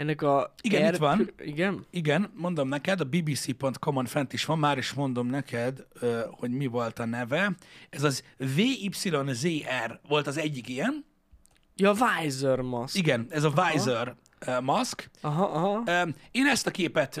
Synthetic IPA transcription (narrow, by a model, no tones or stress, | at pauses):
ɛnːɛkɒiɡɛit̪ʋɒniɡɛniɡɛnmo̞nd̪o̞mnɛkɛd̪ɒbiːbiːsiːpo̞nt̪ko̞monfɛnt̪iʃʋɒmːaːɾiʃmo̞nd̪o̞mnɛkʰɛd̪øho̞ɟmivo̞lt̪ɒnɛvɛɛzɒzveːipsilo̞nzeːʔɛrʋo̞lt̪ɒzɛɟːikijɛn | jɒvajzørmɒsiɡɛnɛzɒvajzør | mɒskɦɦeːnɛst̪ɒkeːpɛt̪